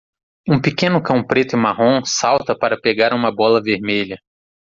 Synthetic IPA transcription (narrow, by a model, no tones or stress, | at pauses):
ũpikẽnʊkɐ̃w̃pɾet̪ʊɪmaɦõsawt̪ɐpaɾɐpeɡaɾũmɐbɔlɐveɾmeʎɐ